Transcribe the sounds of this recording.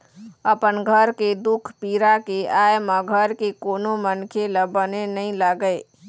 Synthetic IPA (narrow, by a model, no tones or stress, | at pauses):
əpənɡʱəɾked̪ʊkʰpiːɾakeaːemãɡʱəɾkekoːnomənkʰeləbənenəɦĩlaɡəeː